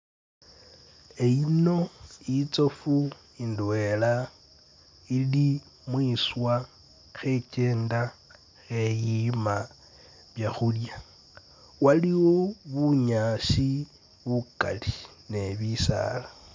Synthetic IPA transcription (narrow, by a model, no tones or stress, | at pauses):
e̞ino̞it͡so̞fu | indwe̞la | ili | mwiːswa | xe̞ce̞ːnda | xe̞jima | βjaxulja | waliwoβuɲaːʃi | βuka̰li | ne̞βisa̰ːla